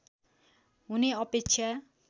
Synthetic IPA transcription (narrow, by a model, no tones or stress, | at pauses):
ɦuniʌpeksʰa